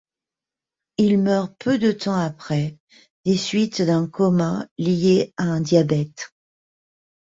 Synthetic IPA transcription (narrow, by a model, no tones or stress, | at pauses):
ilmœʁpʰød̪ət̪ɑ̃apχɛ | d̪esɥit̪d̪ɛ̃kɔmɛ̃lijeaɛ̃d̪jabɛt̪